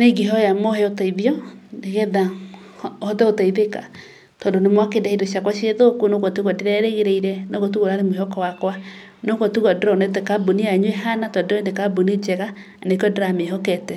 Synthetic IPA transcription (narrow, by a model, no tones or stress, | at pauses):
neɡiɦɔjamohɛotaiðiɔneɣɛða | hɔðɛotaiðeka | tɔndonemwakendahidoɕiakwaʃieðokunoɣɔtuɣɔdeɾɛɾeɣeɾeiɾɛnoɣot̬uɣoɾaɾemoeɦɔkɔwakwa | noɣɔtuɣɔdeɾɔnɛtɛkaboniaɲɛɦanatɔdondekabonid͡ʑɛɣa | nekɔdeɾameɦɔkɛtɛ